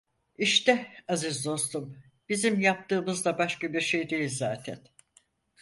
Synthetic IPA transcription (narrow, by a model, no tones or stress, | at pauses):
iʃt̪ɛazizd̪o̞st̪um | b̥izimjap̚t̪ɯːmɯzd̪abaʃkabiɾʃe̞jd̪e̞jilʲzaːt̪ʰɛn